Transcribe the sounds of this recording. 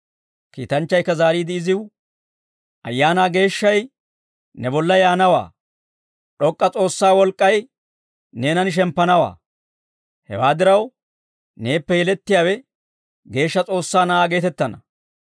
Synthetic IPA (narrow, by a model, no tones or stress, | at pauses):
kḭːt̪ɐnt͡ʃːɐjkːɐzaːɾiːd̪ɪːɪzɪw | ʔɐjːaːnaːɡe̞ːʃːɐj | nɛbɔlːɐjaːnɐwa̰ː | ɗɔkʼːɐt͡sʼo̞ːsːaːwɔlkʼːɐj | neːnɐnɪʃ̬ɛmpːɐnɐwa̰ː | hɛ̰waːd̪ɪɾɐw | ne̞ːpːɛjɛlɛt̪ːɪjaːwɛ | ɡe̞ːʃːɐt͡sʼo̞ːsːaːnɐʔaːɡe̞ːt̪ɛt̪ːɐnɐ